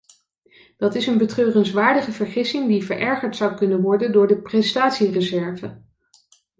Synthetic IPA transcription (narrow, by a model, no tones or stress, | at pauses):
d̥ɑtɪsənbətrøːrənsʋaːɹdəχəvəɹχɪsɪŋdivəɹʔɛɹχəɹtsɑwkɵnənʋɔɹdəndʊːɹdəprɛstaːtsirəzɛɹvə